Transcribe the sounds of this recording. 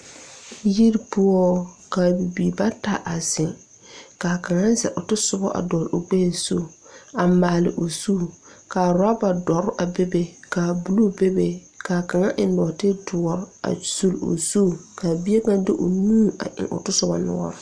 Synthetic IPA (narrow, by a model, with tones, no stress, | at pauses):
ji˦ɾpʊ˦ɔ˦kaː˨bi˨bi˨ba˦ta̰˨ʔa˨zɪ˨ | ka˨ka˨ŋa˦zɛ̰˨ɾʊ˨tʊ˦sʊ˦bɔ˦ʔa̰˨dɔ˨lʊ˨ɡ͡be˦˨so˦ | a˨maː˨lɪ̰˨ʔʊ˨suː˦kaː˨ɾa˦ba˨dɔ˨ɾʊ˦ʔa˨be˦be˨ka˨bu˨lu˦be˦be˨ | kaː˨ka˨ŋa˦ʔɪ˨n˦dɔː˨tɪ˦dʊ˨ɔ˨ɾa̰˨su˦lʊ̰˨suː˦˨ka˨bi˦e˦bã˦ndɪ˦ʔʊ˨nũː˦ʔa̰˨ʔɪ̰̃˨ʔʊ̰˨tʊ˦sʊ˦bɔ̰˦nʊ̰˦ɔ̰˦ɾ